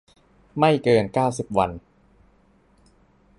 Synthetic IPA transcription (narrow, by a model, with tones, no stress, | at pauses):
ma˥˩jkɤː˧nkaː˥˩wsi˨˩p̚wa˧n